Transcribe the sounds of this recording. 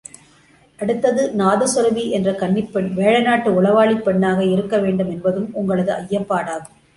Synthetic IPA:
ʔɐɽɯt̪ːɐðɯnaːðɐsʊɾɐʋiʔɛndrɐkɐɳːɪpːɐɳʋeːɻɐnaːʈːɯʊɭɐʋaːɭɪpːɐɳːaːɣɐɪɾɯkːɐʋeːɳɖɯmɛnbɐðɯmʊŋɡɐɭɐðɯɐjːɐpːaːɽaːɣɯ

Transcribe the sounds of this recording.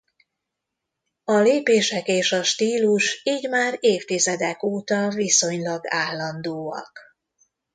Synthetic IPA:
ɒleːpeːʃɛkeːʃɒʃt̪iːluʃiːɟmaːreːft̪izɛd̪ɛkoːt̪ɒviso̞ɲlɒɡaːlːɒnd̪oːɒ̰k

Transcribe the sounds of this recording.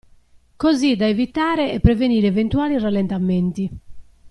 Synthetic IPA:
kozid̪aevit̪aːɾɛɛpːɾɛveniːɾɛvent̪uaːliralːɛnt̪ament̪i

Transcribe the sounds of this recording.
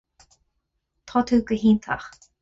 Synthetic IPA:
t̪ʰɔt̪ʰuːkəɦiːnt̪ʰa̰χ

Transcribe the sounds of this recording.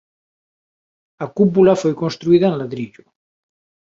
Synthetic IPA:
akup̬ulafojkonst̪ɾuiðaenlaðɾiʎu

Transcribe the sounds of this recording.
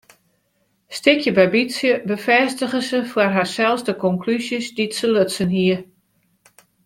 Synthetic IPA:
stɪkʰjəbɛbisjəbəfɛstəɣəsəfwarɦasɛlˠsdəkɔŋkʰlysjəsditsəløtsənɦiə

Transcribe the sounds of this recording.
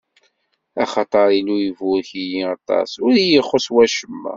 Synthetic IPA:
ɑχɑt̪ˤɑɾˤilujəvʊɾçijiɑt̪ˤɑ̰sʊɾjəχoswæʃəmːæ̰

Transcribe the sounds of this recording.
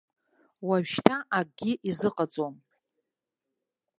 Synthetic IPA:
waɥʃtʰaʔak̚ʼɡʲiʔizɨqʼat͡sʼom

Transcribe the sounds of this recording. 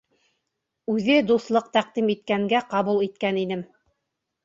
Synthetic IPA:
ʉðɘd̪uθlˠɤq̚t̪æqd̪imit̪̚kæŋɡæqɑβulˠit̪̚kænin̪ɘm

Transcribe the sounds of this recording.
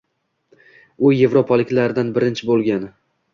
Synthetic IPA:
ʊje̞vɾopʰalɪkʲlaɾɪd̪anbɪɾɪnt͡ʃʰɪbolˠɡʲanɪ

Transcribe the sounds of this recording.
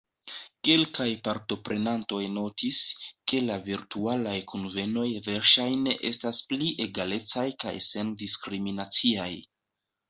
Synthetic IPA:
ke̞lkajpaɾto̞pɾʔe̞nanto̞jno̞tiske̞laviɾtualajkʰonve̞no̞jve̞ɾʃajne̞ʔe̞̰staspliʔe̞ɡale̞t͡sajka̰jse̞ndiskɾiminat͡siaj

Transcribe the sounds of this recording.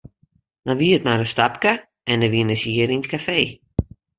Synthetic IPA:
danʋiətnadəstapkə | ɛndəʋinəsiəɾinətkʰafeː

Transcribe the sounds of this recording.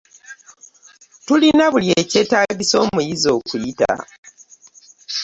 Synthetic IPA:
tulinaβuljece̞ːtaːɡiso̞ːmujizo̞ːkujita̰

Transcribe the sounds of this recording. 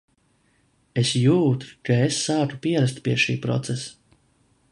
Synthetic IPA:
esjuːt̪u̥kaesːaːkupiɛɾast̪piɛʃḭːpɾɔ̰t̪sɛs

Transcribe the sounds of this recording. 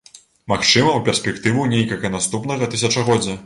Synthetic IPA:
maxt͡ʂɨmɐwpʲɛrsʲpʲɛkt̪ɨvunʲejkɐlʲkɐnast̪upnɐɣɐt̪ɨs̬ʲɐt͡ʂɐɣɔd͡zʲːɐ

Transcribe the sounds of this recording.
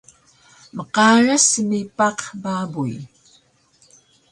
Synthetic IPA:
məqɑːɻasmipɑqbaːbuj

